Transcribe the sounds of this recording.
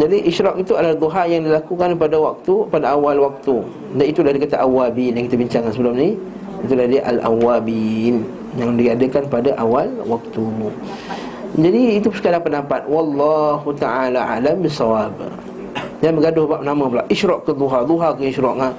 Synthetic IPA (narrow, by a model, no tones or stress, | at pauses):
d͡ʒadiʔiʃɾɔkit̪ualad̪oɦajaŋdilakukanpadawak̚t̪upadaawalwak̚t̪u | danit̪ulahdikat̪aʔawabinjaŋkit̪abiɲt͡ʃaŋansəbəlumni | it̪ulahdiʔa̰lʔa̰wabin | jaŋdiadəkanpadaʔawalwak̚t̪u | d͡ʒadiːt̪usəkalaŋpəndampat̪̚wɑlːɑhut̪aʔalaʔa̰lambisɑwab | danbəɡadʊhbaʔnamə̃pəlaʔʔiʃɾɔʔkəd̪uɦad̪uɦakəiʃɾɔʔa